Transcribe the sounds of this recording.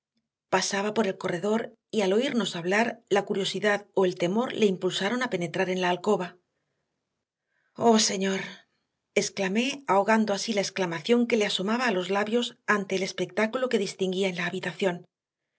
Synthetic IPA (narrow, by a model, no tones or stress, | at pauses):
pasaβ̞apo̞ɾe̞lko̞re̞ðo̞ɾ | ialo̞iɾno̞saβlaɾlakuɾjo̞siðaðo̞e̞lt̪e̞mo̞ɾle̞impulsaɾo̞nape̞ne̞t̪ɾaɾe̞nlaːlko̞βa | o̞se̞ɲo̞ɾ | e̞sklame̞aoɣand̪o̞asilae̞sklamaθjo̞ŋke̞le̞aso̞maβaːlo̞zlaβjo̞sant̪e̞ːle̞spe̞k̚t̪akulo̞ke̞ðist̪iŋɡiaenlaːβit̪aθjo̞n